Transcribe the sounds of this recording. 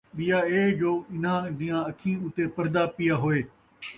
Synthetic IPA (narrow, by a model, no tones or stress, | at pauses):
ɓijaeːd͡ʑoːɪn̤ãd̪ijãɐkʰĩːʊt̪epɐɾd̪apijaːɦoːeː